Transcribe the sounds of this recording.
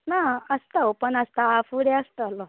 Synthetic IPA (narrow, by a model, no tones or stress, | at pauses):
naəst̪aɦopəɳəst̪aːfuɾɛəst̪əalɔ